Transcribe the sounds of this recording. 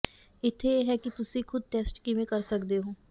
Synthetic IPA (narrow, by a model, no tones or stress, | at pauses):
ɪt̪ʰːejeːɦɛːkit̪ʊsĩkʰʊd̪̚ʈeːsʈkiʋẽkəɾsəkd̪eɦoː